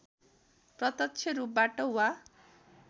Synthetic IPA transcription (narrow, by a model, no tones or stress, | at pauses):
prʌt̪ʌt͡ʃʰeɾup̚baʈɔwa